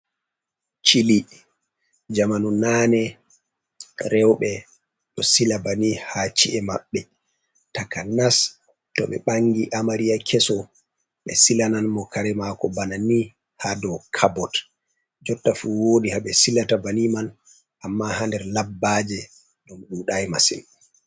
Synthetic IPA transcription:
t͡ʃili | d͡ʒamanunanɛ | ɾɛwɓɛ | ɗɔsilabanihat͡ʃiʔɛmaɓːɛ | takanas | tɔ̰ɓɛ̰ɓaŋɡiʔamaɾiakʰɛsɔ | ɓɛ̰silananmɔkʰaɾɛmakɔbanani | hadɔkʰabɔt | d͡ʒɔtːafuwoːdihaɓɛsilatabaniman | ʔamːahandɛɾlabːad͡ʒɛ | ɗɔmɗuːɗajma̰sḭn

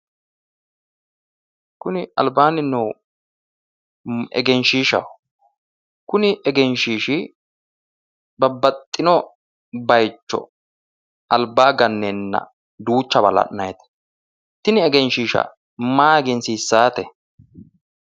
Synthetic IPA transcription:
kʊnɪʔɐ̰lbaːnɪnɔw | ʔɛ̰ɡɛnʃiːʃɐ̰w | kʊnɪʔɛɡɛnʃiːʃɪ | bɐbːɐt̪ʼːɪnɔ | bɐjt͡ʃːɔ̰ | ɐlbaːɡɐnːenːɐ̰ | d̪uːt͡ʃːɐbɐlɐ̰ʔnɐjt̪ɛ̥ | t̪ɪnɪɛɡɛnʃiːʃɐ̰ | maːɡɛnsisːaːt̪ɛ

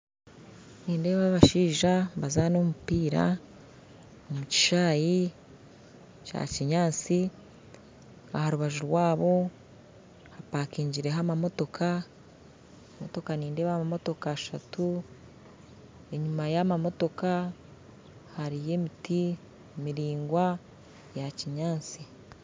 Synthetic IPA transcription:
niːnde̞ːβaβaʃiːʒabazano̞mupiːɾa̰ | omuci̥ʃaːji | t͡ʃa̰ciɲaːt͡si | a̰haɾuβaʒuɾwaːβo̞ | hapaːkiːɲɟiɾe̞ɦamamo̞to̞kʰa | mo̞to̞kaniːndeβaamamo̞to̞kaːʃatu | e̞ɲumajamamo̞to̞ka | haɾije̞ːmiti | miɾiːŋɡwa | jaciɲaːnt͡si

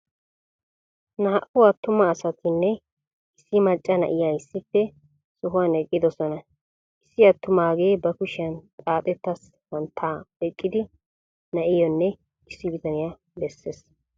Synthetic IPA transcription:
nɐɐʔʊwɐt̪ːʊmɐːsɐt̪ʰɪnːɛ | ɪsːɪmɐt͡ʃʼːɐnɐ̰ʔɪjaɪsːɪfːɛ | sʊɦʊwanɛkʼːɪd̪ɔsɔnɐ | ʔɪsːɪɐt̪ːʊmaːɡejbɐkʊʃɪjɐnt͡sʼaːt̪ʼɛt̪ːɐs | wɐnt̪ʰːaːɛkʼːɪd̪ɪ | nɐʔɪjɔnːɛ | ɪsːɪbɪt̪ɐnɪja | bɛsːeːs

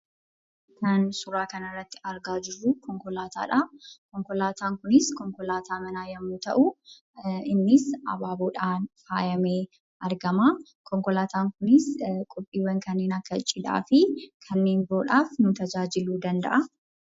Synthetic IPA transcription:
kɐnsʊɾaːkɐnɐrːɐt̪ːɪ̥ɐɾɡaːd͡ʒɪrːukʰɔŋkɔlaːt̪a̰ːᶑaːkɔŋkɔlaːt̪ʰaːŋkʊnɪskɔŋkɔlaːt̪ʰaːmɐnaːjɐmːuːt̪ɐʔu | ɪnːɪsɐ̰baːboːᶑaːnfaːjɐmeː | ʔɐɾɡɐmaː | kɔŋkɔlaːt̪aːŋkʊnɪskʼʊpʼːiːwɐŋkɐnːeːnɐkːɐt͡ʃʼːɪd̪a̰ːfɪkʰɐnːe̞ːnboːᶑaːfnʊt̪ɐd͡ʒaːd͡ʒɪluːd̪ɐnd̪ɐ̰ʔɐ

